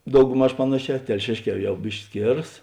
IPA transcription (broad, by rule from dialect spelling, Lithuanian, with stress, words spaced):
dɐʊɡˈmɐʃ ˈpɑːnɐˌʃʲɛː tʲɛlʲˈʃʲeːʃʲˌkʲɛː ˈjɛʊ ˈbʲɪʃʲkʲɪ ˈsʲkʲeːrɐs